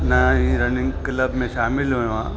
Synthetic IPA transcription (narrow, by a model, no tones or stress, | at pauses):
naĩɾɐnɪ̃ŋɡkləbmẽʃaːmɪlɦoã